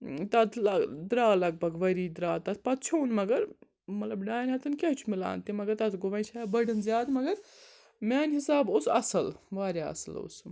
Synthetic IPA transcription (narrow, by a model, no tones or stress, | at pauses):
t̪ɐt̪ʰlɐd̪ɾaːlɐɡ̚bʱɐɡʋɐɾiːd̪ɾaːt̪ɐt̪ʰpɐt̪t͡ʃʰoːnmɐɡɐɾ | mɐt̪lɐbɖaːjnɦɐt̪ʰɐnkeɦt͡ʃʰumila̰ːnt̪imɐɡɐɾt̪ɐt̪ʰɡoʋɐjt͡ʃʰaːbɐɖɐnzjaːd̪mɐɡɐɾ | maːnɦisaːbosɐ̰sɐlʋaːɾʲjaːɐ̰sɐ̰lo̰s